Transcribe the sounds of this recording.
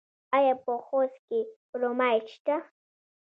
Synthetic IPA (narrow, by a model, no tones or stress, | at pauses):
ajapoχoskɪ | ɾomajt͡ʃt̪a